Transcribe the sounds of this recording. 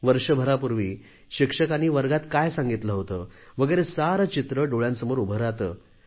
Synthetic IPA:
ʋəɾʂəbʱəɾapuɾʋiː | ɕikʂəkaniːʋəɾɡat̪kajsãŋɡit̪ləɦot̪əːʋ̤əɡəjɾesaɾət͡ɕit̪ɾəɖoɭjãnsəmoɾubʱəɾat̪əː

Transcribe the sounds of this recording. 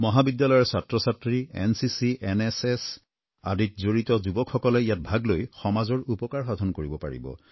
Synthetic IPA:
mɔɦabidjalɔjɔɹsatɹɔsatɹiɛ̰nsisiʔɛnɛsɛs | a̰ditzoɹitɔzubɔkʰxɔkɔlɛijat̚bʱaɡlojxɔmazɔɹupɔkaɹxad̪ʱɔnkoɹibɔpa̰ɹḭbɔ̰

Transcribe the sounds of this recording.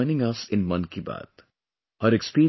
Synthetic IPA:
ɪ̃nɪ̃ŋʌsɪ̃nmʌ̃nkiba̰ːd̪ | həɾekspiːɾ

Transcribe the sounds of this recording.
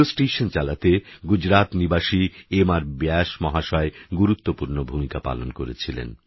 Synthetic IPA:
osʈeʃont͡ɕalat̪eɡud͡ʑɾat̪nibaʃiemaɾbɛʃmɔɦaʃɔeɡuɾut̪ːopuɾnobʱumikapa̰lonkoɾet͡ɕʰilḛn

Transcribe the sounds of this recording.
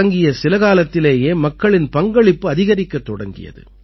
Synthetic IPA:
ɐŋɡɪjɐsɪlɐɣaːlɐt̪ːɪleːjeːmɐkːɐɭɪnpɐŋɡɐɭɪpːɯɐðɪɣɐɾɪkːɐt̪ːɔɽɐ̰ŋɡɪ̰jɐ̰ðɯ̰

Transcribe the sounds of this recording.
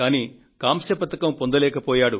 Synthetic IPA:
aːniː | kaːmʃɐpɐt̪ɐkɐmpo̞nd̪ɐlɛːkɐpɔːjaːɽu

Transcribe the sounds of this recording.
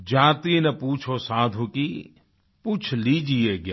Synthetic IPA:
d͡ʒaːt̪iːnɐpuːt͡ʃʰoːsaːd̪ʱuki | put͡ʃʰliːd͡ʒieːɡja̰ː

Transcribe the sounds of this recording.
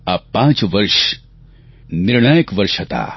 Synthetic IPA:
apãːt͡ʃʋɐɾʃ | nɪɾɳ̃aːjəkʋɐɾʃɐt̪a̰ː

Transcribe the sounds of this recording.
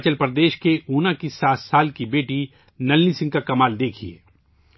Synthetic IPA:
t͡ʃəlpɾɐd̪eːʃkeʔuːnakisaːt̪saːlkibeːʈi | nɐlnisɪ̃ŋɡkakɐmaːld̪eːkʰiḛː

